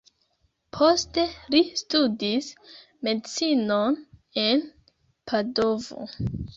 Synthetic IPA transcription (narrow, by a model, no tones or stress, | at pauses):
pʰo̞ste̞listudis | me̞dt͡sinone̞n | pʰado̞vo̞̰